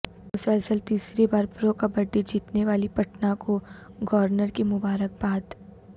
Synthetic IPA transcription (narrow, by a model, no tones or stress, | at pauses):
ʊsɛːlsəlt̪iːsɾibaːɾpɾokabɐɖːid͡ʒiːt̪neʋaːlipɐʈnakoɡɔːɾnəɾkimʊbaːɾək̚baːd̪